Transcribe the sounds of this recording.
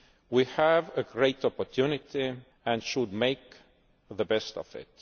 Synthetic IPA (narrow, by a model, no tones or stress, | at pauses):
wihəvɨɡɹeɪtɔpəɹtʰjunɪti | ɨ̃nʃʊd̚meɪk | ðəbɛstʌ̰v̥ɪ̰t̚